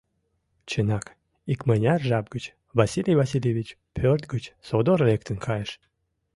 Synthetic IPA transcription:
t͡ɕʰenɑk | ikmənʲarʒɑb̚ɡət͡ɕ | vasʲilʲijvasʲilʲevʲit͡ɕ | pʲʰørt̪ɡət͡ɕsod̪oɾlʲek̚t̪ənkʰɑjəʃ

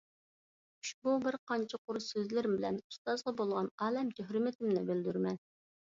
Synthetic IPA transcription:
uʃbubɪɾqʰɑnt͡ʃʰɪqʰʊɾsøzlɪɾɪmbɪlɛnu̥st̪ɑzʁɑbolˠʁɑnɑːlɛmt̪ʰøɦɾɪmɪt̪ʰɪmnɪbɪld̪yɾmɛn

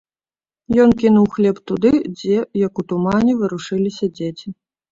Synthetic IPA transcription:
jɔnkʲinuwxlʲɛpt̪ud̪ɨd͡zʲɛjɐkut̪umanʲɛvɨɾuʂɨlʲisʲɐd͡zʲet͡sʲi

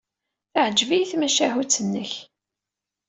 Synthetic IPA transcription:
θəʕəd͡ʒviθmæʃæhut͡sːənːəç

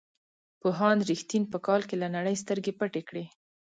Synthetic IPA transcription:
poɦɑnɾixt̪inpəkɑlkelanaɽəjs̬t̪əɾɡepəʈekɽe

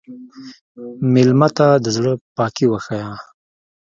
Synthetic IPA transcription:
mɪlmat̪ad̪əzɽəpɑːkiwaxaja

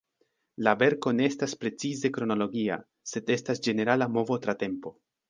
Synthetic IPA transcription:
lave̞ɾko̞ne̞estaspɾe̞t͡size̞kɾo̞no̞lo̞ɡia̰ | se̞de̞stasd͡ʒe̞ne̞ɾalamo̞vo̞tɾate̞mpo̞

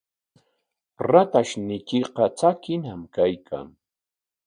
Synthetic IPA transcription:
ɾat̪aʃnɪkɪqɑt͡sakɪnamkajkʰa̰ŋ

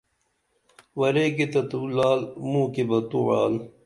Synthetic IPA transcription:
wɐɾeket̪ɐt̪uːlaːlmuːkebɐt̪uwa̰ːl

